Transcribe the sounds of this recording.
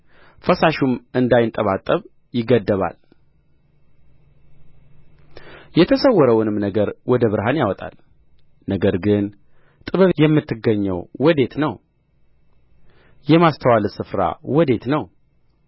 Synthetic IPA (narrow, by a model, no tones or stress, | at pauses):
fəsaʃumɨnd̪ajɪnt̪ʼəβat̪ʼːəβ | jɪɡəd̪ːəβa̰l | jɛt̪ʰəsəwːɔɾəwnɨmnəɡəɾwɔd̪əβɨɾɦanjawɔt̪ʼa̰l | nəɡəɾɡɨn | t̪ʼɨβəβjɛmːɨt̪ːɨɡːəɲːəwwɔd̪e̞t̪nəw | jɛmast̪ʰəwalɨsɨfɾa̰wɔd̪e̞t̪nəw